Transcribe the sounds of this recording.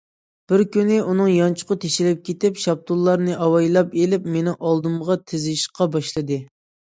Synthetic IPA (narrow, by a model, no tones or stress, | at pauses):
b̥ɪɾkʲynɪʔunɨŋjɑnt͡ʃʰʊ̥qʰʊt̪ʰeʃɪlɪp̚kʲet̪ɪpʃɑp̚t̪ʰulˠːɑɾnɨʔɑwɑjlˠɑpelɪpmenɪŋʔɑlˠd̪ɨmʁɑt̪ʰɪzɪʃqʰɑbɑʃlˠɨd̪ɨ